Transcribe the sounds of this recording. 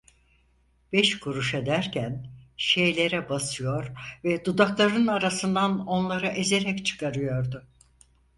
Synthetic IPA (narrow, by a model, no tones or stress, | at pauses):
b̥ɛʃkʰuɾuʃe̞d̪æɾcʰænʃe̞jlʲe̞ɾɛbasɯjo̞ɾvɛd̪ud̪aklˠaɾɯnaɾasɯnd̪ano̞nlˠaɾɯʔeze̞ɾɛct͡ʃʰɯ̥kaɾɯjo̞ɾd̪ʊ